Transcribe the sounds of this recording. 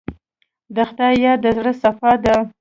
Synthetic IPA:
d̪əxt̪ɑjɑd̪əzɽəsafɑd̪ə

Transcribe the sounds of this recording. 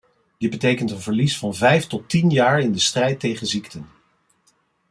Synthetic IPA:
dəbətejkəntənvəɹlisfɑnvɛjftɔtinjaːɹɪndəstrɛjtejχəziktən

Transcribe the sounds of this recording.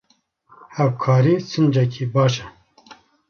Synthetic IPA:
hɛwkʰɑːɾiːsɨnd͡ʒɛkʰiːbɑːʃɛ

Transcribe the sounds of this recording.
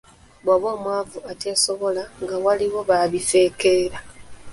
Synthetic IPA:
βwaβo̞ːmwaːvuate̞ːso̞βo̞laŋɡawaliwo̞βaβife̞ːke̞ːɾa

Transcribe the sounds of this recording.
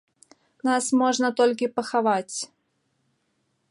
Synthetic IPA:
nasmɔʐnət̪olʲkʲɪpəxavatʲ

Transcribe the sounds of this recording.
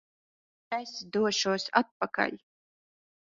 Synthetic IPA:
asd̪uɔʃuɔsat̪̚paka̰ʎʲ

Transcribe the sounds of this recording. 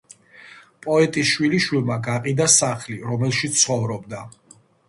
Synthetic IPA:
pʼɔɛt̪ʼisʃwiliʃwilˠmaɡaqʼid̪asaχliɾɔmɛlˠʃit̪sʰχɔvɾɔbd̪a

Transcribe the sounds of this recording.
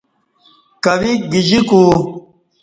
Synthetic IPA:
kɐʋiɡid͡ʑiku

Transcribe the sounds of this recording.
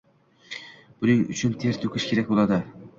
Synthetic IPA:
b̥ʊnɪŋʊ̰t͡ʃʰʊnt̪ʰeɾt̪ʰokʰɪʃkʰʲe̞ɾak̚ʲbolˠad̪ɪ

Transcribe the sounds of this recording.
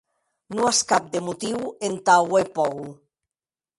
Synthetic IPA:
nuaskap̚d̪emut̪iwent̪awejpɔw

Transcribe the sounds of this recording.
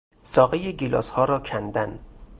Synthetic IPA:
sɒːɣejeɡilɒ̰ːshɒːɾɒːkʰænd̪æn

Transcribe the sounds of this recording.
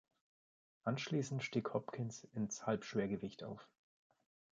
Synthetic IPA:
ʔanʃliːsn̩tʃtiːkhɔpkʰɪnsɪnshalpʃv̥eːɐɡəvɪçtʰa̰ʊf

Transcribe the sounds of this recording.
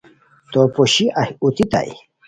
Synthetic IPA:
t̪opoɕiʔahut̪it̪a̰j

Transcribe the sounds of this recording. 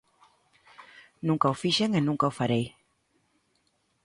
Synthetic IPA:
nũŋkaufiʃeŋenũŋkaufaɾej

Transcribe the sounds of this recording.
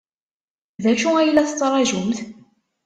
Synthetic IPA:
ðæʃuæjlːæθt͡sːɾˤɑʒumθ

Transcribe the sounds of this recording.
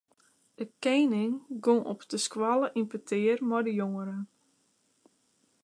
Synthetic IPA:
dəkenɪŋɡoŋʔɔpdəskwalˠəʔinpətʰɪərmɔjdəjoŋəɾə

